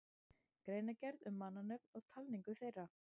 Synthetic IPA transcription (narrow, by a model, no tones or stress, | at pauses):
kɾejnacɛɾðʏmːanːanœpnɔɣt̪ʰalniŋkʏθejrːa